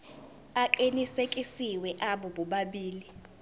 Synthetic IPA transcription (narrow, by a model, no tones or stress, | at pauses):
aǃinisekʼisiwɛʔaɓɔɓɔɓaɓiːli